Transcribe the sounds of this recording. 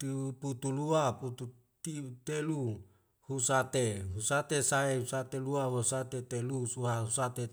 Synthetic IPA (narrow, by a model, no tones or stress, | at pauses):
t̪uput̪uluaput̪u | t̪it̪elu | husat̪eɦusat̪esaeusat̪eluawosat̪et̪elusuɦaɦusat̪e